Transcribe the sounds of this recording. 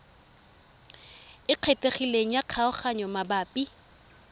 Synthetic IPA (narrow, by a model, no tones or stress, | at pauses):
ɪq͡χʰeteχileŋ̩jaq͡χʰaʊχaɲɔmabaːpʼi